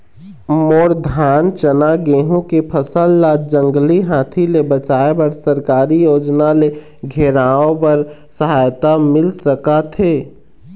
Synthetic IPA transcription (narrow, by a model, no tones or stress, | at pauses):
moːɾd̪ʱaːnt͡ʃənaɡeːɦũkepʰəsəlːad͡ʒə̃ŋɡliɦãːt̪ʰilebət͡ʃaːebəɾsəɾkaːɾijoːd͡ʒnale | ɡʱeɾaõpəɾsəɦaːjt̪amɪlsəkat̪ʰeː